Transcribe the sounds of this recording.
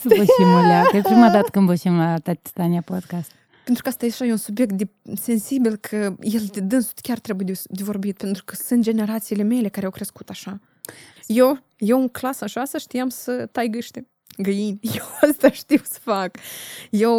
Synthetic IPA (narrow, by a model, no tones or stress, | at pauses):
səboimolaəpɾimad̪at̪ə̥kɨnboʃimlat̪at̪t̪aniapod̪kast̪ | pe̞nt̪ɾukast̪ajeaʃajeunsubjek̚t̪̚d̪e | se̞nsibilkʰəje̞ld̪ed̪ɨnsu̥t̪kʲart̪ɾe̞bujed̪d̪evo̞rbit̪pe̞nt̪ɾukəsɨnt̪̚d͡ʒe̞ne̞ɾat̪siːle̞me̞le̞kaɾeawkɾe̞skut̪aʃa | jew | jewuŋklasaʃaast̪aʃt̪iamsət̪ajɡɨʃt̪e | ɡəjinʲjewast̪aʃt̪iwsə̥fakjew